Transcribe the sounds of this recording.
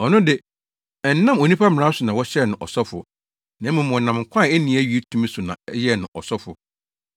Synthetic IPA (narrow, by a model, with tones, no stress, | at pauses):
ɔ˨nʊ̃˦dɪ˨ | ɛ˨n̩˦nã˦mo˨nĩ˦pʰa˦mɪ̃˨ɾã˦sʊ˨nã˨wɔ˦ɕɛ˦˨nʊ̃˨ʔɔ̰˨sɔ˦fʊ̰˨ | nã˨˦mũ˨mɔ̃˨nã˨mŋ̩˨kʷʰã˦˨ɛ˦nĩ˨˦æ˦ɥi˦tʰũ˦mẽ˦sʊ˨nã̰˨ɛ˦jɛ˦˨nʊ̃˨ʔɔ˨sɔ˦fʊ˨